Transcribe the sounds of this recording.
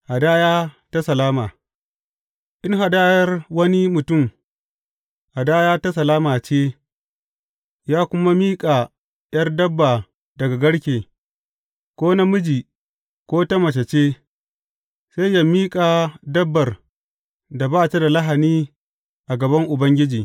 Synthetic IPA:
ha˨daː˦jaː˦ta˦sɐ˨laː˦maː˨ | ʔɪ˦ŋɦa˨daː˦jɐ˦rwɐ˦ni˦mʊ˨tʊ˦˨m | ʔa˨daː˦jaː˦ta˦sɐ˨laː˦maː˨t͡ʃeː˦ | jaː˦kʷʊ˦ma˦miː˦kʼa˨ | j̰ɐ˦rdɐ˦bːaː˨ | dɐ˨ɡa˨ɡɐ˦ɽkʲeː˨ | kʷoː˦na˦mʊ˦d͡ʒiː˨ | kʷoː˦tɐ˦mɐ˨t͡ʃɐ˨t͡ʃeː˦ | se˦jja˦miː˦kʼaː˨dɐ˦bːɐ˨r | da˨baː˦ta˦da˨la˦ɦa˨niː˦ | ʔa˨ɡɐ˨bɐ˦ŋʔʊ˨bɐ˦ŋɡʲɪ˦d͡ʒiː˨

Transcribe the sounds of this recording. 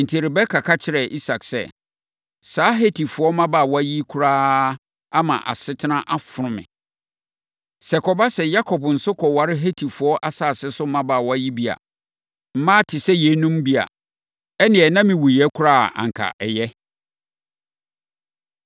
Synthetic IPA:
n̩˨tʰi˨ɾɪ˨bɛ˦kʰa˨kʰa˦t͡ɕʰɪ˨ɾɛ˨ʔi˦sa˨ksɛ̰˦˨ | saː˦ɦe˦tʰi˨fʊ˨ɔ˦mã˦ba˦˨wɔ˦a˦ji˦kʰu˦ɾaː˦ | a˦mã̰˨ʔa̰˨sɪ˦tʰɪ˦nã˦ʔa˦fʊ˨ɾʊ̃˨mɪ̰̃˨ | sɛ˨kʰɔ˨ba˦sɛ˨ja˦kʰɔ˨bn̩˨sʊ˦kʰɔ˨wa˨ɾɪ˦ɦe˦tʰi˨fʊ˨˦ɔ˦ʔa˦saː˨sɪ˦sʊ˦mã˦ba˨wɔ˦a˦ji˦bi˦a̰˨ | m̩˦mã˦tʰɪ˨sɛ˦jɛ˨˦nũ˦mbi˦a̰˨ | ɛ˦nɪ̃˨ɛ˨nã˦mɪ̃˨wu˨jɛ˦kʰʊ˦ɾaː˦˨ʔã̰˨ŋ̩˨kʰa̰˨ʔɛ˨jɛ˦

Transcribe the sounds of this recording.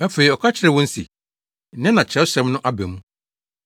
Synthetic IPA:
æ˦fe˨i˨ɔ˨kʰa˦t͡ɕʰɪ˦ɾɛ˨wɔ̃˦n̩˦sḭ˨ | nɪ̃˦nã˨t͡ɕʰɛ˨˦ɕɛ̃˨˦mnʊ̃˦ʔa˦bɛ̰˨mũ˦

